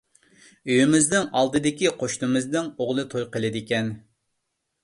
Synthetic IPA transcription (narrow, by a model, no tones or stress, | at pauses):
øjymɪznɪŋɑlˠd̪ɨd̪ɪkʲiqʰoʃnɨmɨznɪŋoʁlˠɨt̪ʰojqəlˠɨd̪ɪkʲɛn